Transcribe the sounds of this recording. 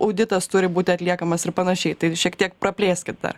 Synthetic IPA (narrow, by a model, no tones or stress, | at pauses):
ʔɐʊd̪ʲɪt̪ɐst̪ʊɾʲɪbuːt̪ʲɪɐt̪ʲlʲiɛkɐmɐsɪɾpɐnɐʃʲɛɪt̪ɐɪʃʲiɛkt̪ʲiɛkpɾɐpʲlʲeːsʲkʲɪt̪̚d̪ɐ̰r